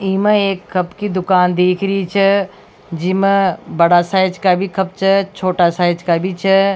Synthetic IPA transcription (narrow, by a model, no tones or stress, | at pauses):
iːməeːkʰːɐpkid̪ʊkaːnd̪eːkʰɾiit͡ʃʰɐ | d͡ʒɪməbɐɽasaːɪd͡ʒkabʱikʰɐp̚t͡ʃʰɐt͡ʃʰoːʈasaːɪd͡ʒkabʱit͡ʃʰɐ